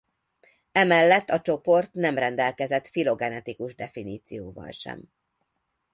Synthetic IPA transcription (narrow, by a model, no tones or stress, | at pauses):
ɛmɛlːɛt̪ːɒt͡ʃo̞po̞rt̪nɛmrɛnd̪ɛlkɛzɛt̪filo̞ɡɛnɛt̪ikuʒd̪ɛfiniːt̪sijoːvɒ̰lʃɛ̰m